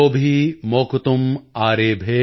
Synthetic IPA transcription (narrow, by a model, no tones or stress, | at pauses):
oːbʱimoːkt̪umaːɾeːbʱeː